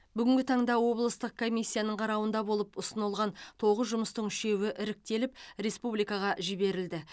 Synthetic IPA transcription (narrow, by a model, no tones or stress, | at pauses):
bʏɡʲɪŋɡʲɪt̪ʰɑɴd̪ɑwo̞blˠəst̪əq̚kʰo̞mijsʲːijanəɴqʰɑɾɑwənd̪ɑbo̞lˠəpʊsənəlˠʁɑnt̪ʰo̞ʁəzʒʊməst̪əɴʏʃe̞wɪʔɪɾɪk̚t̪e̞lɪp̚ɾe̞spublijkɑʁɑʒɪbe̞ɾɪld̪ɪ